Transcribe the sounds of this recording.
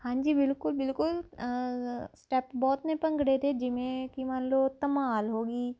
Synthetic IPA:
hãːɲd͡ʒiːbɪlkʊlbɪlkʊl | sʈɛpbɔːt̪nẽpɐ̃ŋɡɽet̪ʰed͡ʒɪmẽkimanloːt̪ɐmaːlɦoːɡiː

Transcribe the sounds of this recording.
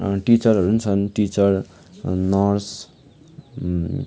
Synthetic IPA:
ʈit͡sʌrɦʌɾunt͡sʰʌnʈit͡sʌr | nʌrs

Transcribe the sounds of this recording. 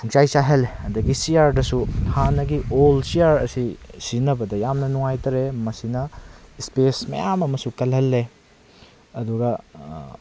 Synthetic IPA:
huŋt͡ʃajsaɦɐlːeɐdɐɡisiaɾdɐsuhanɐɡiolsiaɾɐ̰sisinɐbɐdɐjamnɐnuŋajtɐɾemɐsinɐspesmɐ̰jamɐmɐsukɐlɦɐlːe | ɐduɡɐ

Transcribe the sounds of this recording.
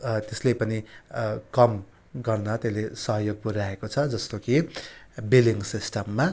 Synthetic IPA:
t̪eslepʌnikʌm | ɡʌrnʌt̪elesʌɦjoɡ̚puɾaekot͡sʰʌd͡zʌst̪oki | biliŋsisʈʌmːa

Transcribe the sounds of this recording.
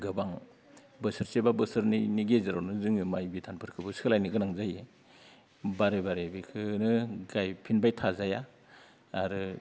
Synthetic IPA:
ɡɯbaŋ | bɯsɯɾsebabɯsɯɾniniɡezɯɾawnɯzɯŋɯmajbitʰanpʰɯɾkʰɯbɯskʰɯlajnɯɡɯnaŋzaje | baɾebaɾebikʰɯnɯɡajpʰinbajtʰazajaː | ɾɯ

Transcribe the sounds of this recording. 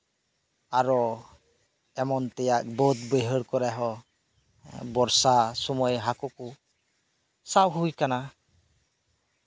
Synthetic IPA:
aɾɔ | ɛmɔnt̪ɛjaʔ̚bɔt̪̚bəɦəɾkɔɾaɦɔ | bɔɾsasɔmɔjɦakɔku | sawɦujkana

